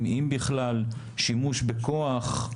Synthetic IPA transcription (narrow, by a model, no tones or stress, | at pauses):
mimbiχlal | ʃimuʃbekoaχ